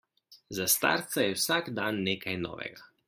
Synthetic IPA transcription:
zast̪a̰ːɾt̪sajɛwsaɡd̪anːeːkajnɔ̰ːʋɛ̰ɡa

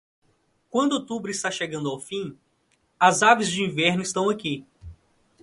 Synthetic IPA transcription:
kwɐ̃nd̪ʊot̪ubɾʊist̪aʃeɡɐ̃nd̪ʊawfĩ | ɐzavɪzd͡ʒɪĩvɛɾnʊist̪ɐ̃w̃aki

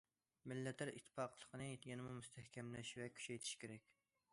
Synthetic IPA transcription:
mɪlːɛt̪ʰːæɾit̪ʰːɪ̥fɑqlˠə̥qʰənɨjʲenɪmumust̪ʰɛhkʲʰɛmlɛʃvɛkʲʰy̥t͡ʃɛjt̪ʰɪ̥ʃkʲʰeɾɛkʲ

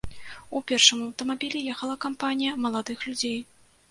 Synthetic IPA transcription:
upʲɛrʂɨmɐwt̪ɐmabʲilʲɛjɛxɐlˠɐkampanʲijɐmɐlˠad̪ɨxlʲud͡zʲej

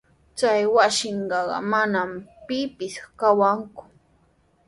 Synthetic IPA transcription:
t͡sajwasɪɴɢɑɢɑ̰manampɪpɪskawaŋkʊ̥

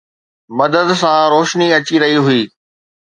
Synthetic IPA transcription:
mɐd̪əd̪sãɾoːʃniɐt͡ɕiɾɐɦiɦʊiː

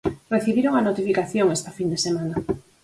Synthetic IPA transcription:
reθiβiɾoŋanot̪ifikaθjoŋest̪afind̪esemana

